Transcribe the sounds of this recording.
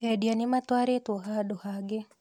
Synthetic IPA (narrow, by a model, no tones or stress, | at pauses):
ɛdjanɪmat̪waɾet̪wɔɦadohaɡe